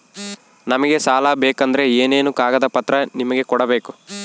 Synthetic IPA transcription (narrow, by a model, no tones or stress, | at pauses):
nɐmɐɡe̞saːlabeːkɐnd̪ɐɾe̞eːne̞ːnukaːɡɐd̪ɐpɐt̪ːɾɐnimɐɡe̞kɔɽɐbe̞ːku